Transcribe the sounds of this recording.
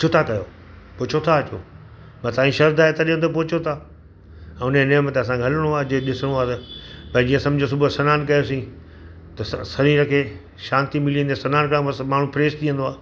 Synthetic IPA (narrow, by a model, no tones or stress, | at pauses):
ʊt͡ʃʰot̪ʰakɐjo̰ː | pʊt͡ʃʰot̪ʰaɐt͡ɕo̰ː | mãt̪aːĩʃɐɾd̪aːɦet̪ɐɗiə̃nd̪op̬oɦt͡ɕʰot̪ʰaː | ɛ̃ːʊneneːmət̪eɐs̬ãɡʱɐləɽ̃oaːed͡ʑoɗɪsəɽ̃oaːt̪ɐpɐĩd͡ʑiːə̃sɐ̃md͡ʑʱos̬ʊbʱosɐnaːnkɐjosĩː | t̪ɐsɐɾĩɾɐkʰeː | ʃãːnt̪imɪliə̃nd̪esɐnaːnkɐ̃ɐsmaːɳ̤ũpʰɪɾeːst̪ʰiə̃nd̪oaː